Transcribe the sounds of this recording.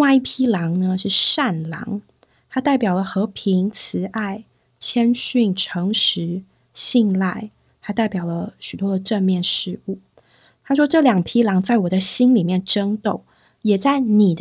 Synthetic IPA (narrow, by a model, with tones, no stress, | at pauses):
ŋwa˥˧ɪi˥˩pʰi˥lɑ˧˥ŋnə˧ʂɻ̩˥˧ʂa˥˩nlɑ̰˧˥ŋ | t̪ʰa˥t̪a˥˩ɪpjɑ˨˩lə˦xɤ˧˥pʰi˧˥ŋt͡sʰɹ̩˧˥ʔa˥˩ɪ | t͡ɕʰjɛ˥nɕy˥˩nʈ͡ʂʰɤ˧˥ŋʂɻ̩˧˥ | ɕi˥˧ŋla˥˩ɪ | t̪a˥t̪a˥˩ɪpjɑ˨˩ʊlə˦ɕy˨˩t̪wɔ˥d̪ə˨ʈ͡ʂə˥˧nmjɛ˥˧nʂɻ̩˥˧u˥˩ | t̪ʰa˥ʂ̬wɔ˥ʈ͡ʂɤ˥˩ljɑ˨˩ŋpʰi˥lɑ˧˥ŋt͡sa˥˩ɪwɔ˨˩d̪ə˦ɕi˥nli˨˩mjɛ˥˩nʈ͡ʂə˥ŋt̪o˥˩ʊ | jɛ˨˩t͡sa˥˩ɪni˨˩d̪